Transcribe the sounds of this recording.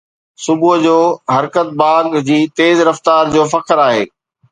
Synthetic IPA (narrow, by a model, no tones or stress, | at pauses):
sʊbʊɦd͡ʑoːɦɐɾkət̪̚baːɡd͡ʑiːt̪eːzɾɐft̪aːɾd͡ʑoːfɐkʰəɾaːɦḛː